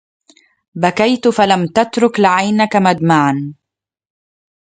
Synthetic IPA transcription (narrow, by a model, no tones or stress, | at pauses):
bakajt̪falamt̪at̪ɾʊklɪʕajnakamad̪maʕan